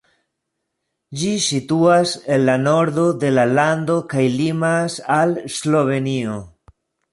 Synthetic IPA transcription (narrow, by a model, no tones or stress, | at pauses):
d͡ʒisituase̞nlano̞ɾdod̪e̞laland̪o̞kajlimasalslo̞ve̞nio